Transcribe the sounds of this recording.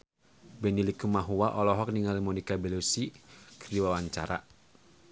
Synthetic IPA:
bɛnilikumaɦuwaʔɔlɔɦɔk̚niŋalimɔnikabɛlusikrdiwawaɲt͡ʃa̰ɾa̰

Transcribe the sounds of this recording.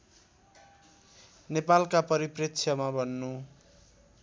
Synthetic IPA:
nepalkapʌɾiprikt͡sʰʌmabʱʌnːu

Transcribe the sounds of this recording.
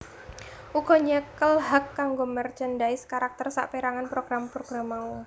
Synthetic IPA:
ʔuɡ̥ɔ̤ɲəkəlhakːaŋɡomərt͡ʃəndaɪskaɾak̚t̪ərsa̰ʔpeɾaŋanpɾoɡ̥ɾampɾoɡ̥ɾamau

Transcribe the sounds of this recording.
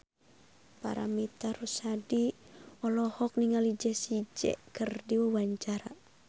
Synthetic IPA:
pa̰ɾa̰mit̪aɾusadiɔlɔhɔk̚niŋalid͡ʒɛsid͡ʒɛ̰kərdiwawaɲt͡ʃaɾa

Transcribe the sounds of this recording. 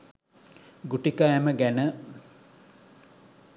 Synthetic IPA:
ɡuʈikajaməɡænə

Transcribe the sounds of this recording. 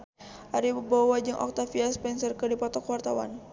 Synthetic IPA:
aɾibəbɔwad͡ʒəŋʔɔ̰k̚t̪afiaspɛnsərkədipɔt̪ɔkwart̪awa̰n

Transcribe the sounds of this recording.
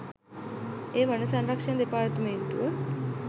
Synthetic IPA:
eːʋɐnːɐsɐnɾɐkʂɐnd̪ipaːɾt̪ɐment̪u

